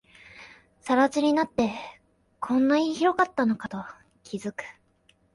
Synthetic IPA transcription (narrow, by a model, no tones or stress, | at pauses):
saɾat͡ɕiɲ̟inat̪ːe̞ | kʰõ̞nːaiçiɾo̞kat̪ːano̞kat̪o̞ | kʲʰizɨkɯ̟̥